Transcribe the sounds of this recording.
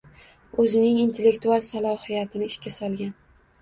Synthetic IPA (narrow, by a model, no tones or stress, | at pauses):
ɵzɪnɪŋint̪ʰe̞lːe̞kt̪ualˠsalˠɒhijat̪ʰɪnɪːʃkʲasɒlˠɡʲan